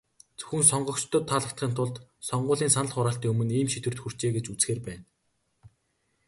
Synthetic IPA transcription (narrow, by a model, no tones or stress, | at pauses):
t͡sɵ̥xɘ̆nsɔɴɢɞ̆kt͡ɕt̪ʰə̆t̪ʰːaːɮə̆k̚t̪χiːnt̪ʰʊɮt̪sɔɴɢʊːɮiːnsanə̆ɮχʊɾaːɬt̪iːŋɵmɵ̆niːmʃit̪wɘ̆rt̪xur̥t͡ɕeːɡet͡ɕut͡sxeːrpæːn